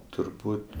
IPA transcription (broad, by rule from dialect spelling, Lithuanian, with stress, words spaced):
tʊrˈbuːtʲ